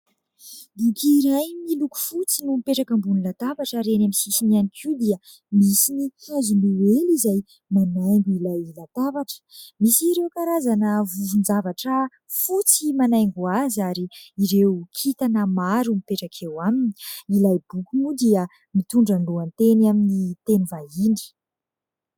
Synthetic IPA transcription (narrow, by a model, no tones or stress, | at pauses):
d̪ikiɾajmiluku̥fut͡sinumipeʈ͡ʂakambunilat̪avaʈ͡ʂəɾenamisisinanikʰiwd̪iə | misiniazumiwelizaj | manajŋɡuilajlat̪avaʈ͡ʂə̥misiɾewkaɾazanəvuvund͡zavaʈ͡ʂə | fut͡simanajŋɡuazaɾiːɾewkʰit̪anəmaɾumipeʈ͡ʂakʰewamini̥ilajbukunud̪iə | mit̪uɳɖ͡ʐanluant̪enaminit̪enivaini̥